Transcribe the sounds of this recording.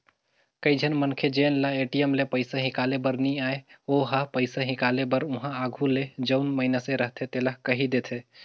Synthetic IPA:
kəid͡ʒʱənmənkʰed͡ʒenlaeʈijəmlepəɪsaɦɪ̃kalebəɾniaːeoɦapəɪsaɦɪ̃kalebəɾʊɦãaɡʱuled͡ʒəʊnməɦinaseɾəɦt̪ʰet̪elaɦkəɦid̪et̪ʰe

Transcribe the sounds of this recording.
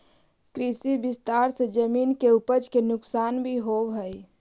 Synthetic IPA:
kɾisibist̪aɾsed͡ʒəmiːnkeupəd͡ʒkenʊksaːnbʱiɦowɦəj

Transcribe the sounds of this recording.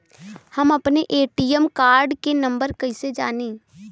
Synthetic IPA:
hɐmɐpneʔeːʈiːjɛmkaːɾɖkenɐ̃mbəɾkɐɪsed͡ʒaːneː

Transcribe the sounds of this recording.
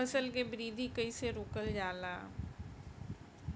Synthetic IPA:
əsəlk̬ebɾiːd̪ʱikəiseɾoːkəld͡ʒaːlaː

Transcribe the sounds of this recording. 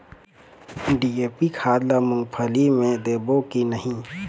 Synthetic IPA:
ɖieːpikʰaːd̪lamʊ̃ŋɡpʰəlimẽd̪eːbokinəɦĩ

